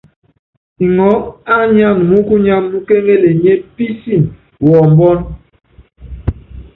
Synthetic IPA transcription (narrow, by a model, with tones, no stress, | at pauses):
i˨ŋɔ˨˦a˦ɲa˦˨nmu˦ku˦ɲa˦mːu˦ke˦ŋe˦le˨ɲe˦pi˦si˦˨m | wɔ˨m˨bɔ˦n